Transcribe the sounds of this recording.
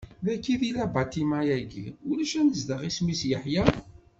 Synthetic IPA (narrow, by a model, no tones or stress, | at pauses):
ðækːiðilæbɑt̪imajæɡḭʊlæʃænəzd̪əʁismisjəħjæ